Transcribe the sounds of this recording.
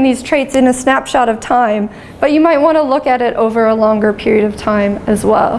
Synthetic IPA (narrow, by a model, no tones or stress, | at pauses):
ŋðiz̥tʰɹ̥eɪtsɨ̃nɨsnæpʃɑɾʌv̥tʰãɪ̃m | b̥ʌt͡ʃɨmaɪt̚wɑ̃ntʰəlʊkɨɾɪɾʔo̰ʊvə˞əlɔ̃ŋɡə˞pʰɪɹiɨɾʌv̥tʰãɪ̃mɨzwɛ̰lˠ